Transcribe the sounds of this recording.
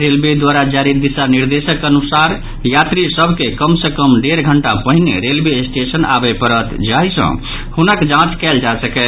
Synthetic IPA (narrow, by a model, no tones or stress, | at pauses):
ɾelbed̪waɾad͡ʒaɾid̪isaniɾd̪esəkənusaɾ | jat̪ɾisəbʱkekəmsekəmɖeɾɡʱəɳʈapəɦineɾelbesʈesəna̰bɛpəɾət̪d͡ʒaɦisə̰̃ | hunəkd͡ʒãt͡ʃkɛld͡ʒasəkɛ